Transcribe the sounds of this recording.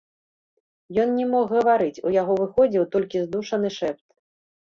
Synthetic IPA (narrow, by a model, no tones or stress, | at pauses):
jɔnnʲɛmɔxɣɐvaɾɨt͡sʲṵjaɣɔvɨxɔd͡zʲiwt̪ɔlʲkʲizd̪uʂɐnɨʂɛpt̪